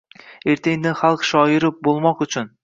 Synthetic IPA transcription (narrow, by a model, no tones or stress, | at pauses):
e̞ɾt̪ʰeŋd̪ɪχalˠqʃɒjɪɾɪp̚bolˠmɒqʊt͡ʃʰʊn